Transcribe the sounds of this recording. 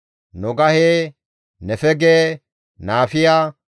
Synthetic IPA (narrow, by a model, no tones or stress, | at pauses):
nɔɡɐheː | nɛfɛɡeː | naːfɪjaː